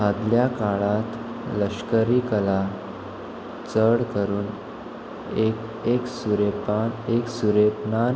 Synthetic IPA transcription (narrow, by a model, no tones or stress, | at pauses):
ɦad̪ljakaɭat̪ | ləɕkəɾiːkəla | t͡səɽkəɾuːn | ek | eksuɾepaneksuɾepnan